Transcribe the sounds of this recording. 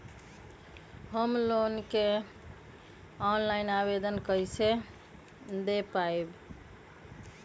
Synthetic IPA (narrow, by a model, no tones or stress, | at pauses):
ɦəmlonke | ɔnlajnaβed̪ənkəjse | d̪epaeb